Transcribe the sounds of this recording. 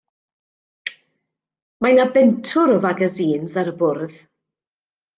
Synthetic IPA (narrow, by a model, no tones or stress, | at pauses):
manabɛntʰʊɾɔvaɡaziːnzaɾəbʊrð